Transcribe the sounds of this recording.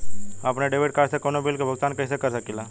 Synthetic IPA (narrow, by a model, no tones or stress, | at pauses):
əpneɖeʋeʈ̚kaːsekonobilkebʱəɡ̚t̪aːnkɐɪsekəɾsəkila